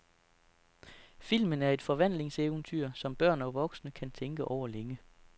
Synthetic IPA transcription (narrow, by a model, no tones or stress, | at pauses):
fil̰mənæɐe̝d̥fɒ̽ʋæn̰le̝ŋseʊnt͡sʰyɐ̰sɒ̽mb̥ɶɐ̰nɒ̽ʋɒ̽ɡ̥snəkʰænt͡sʰeŋɡ̥əʔɒʊ̰ɐleŋə